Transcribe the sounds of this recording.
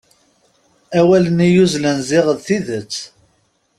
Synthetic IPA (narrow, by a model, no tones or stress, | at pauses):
æwælənijuzlənzɪʁəðθiðət͡sː